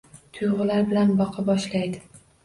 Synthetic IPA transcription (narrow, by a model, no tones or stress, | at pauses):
t̪ʰʊjʁʊlaɾbɪlanbɒqʰɑbɒʃlajd̪ɪ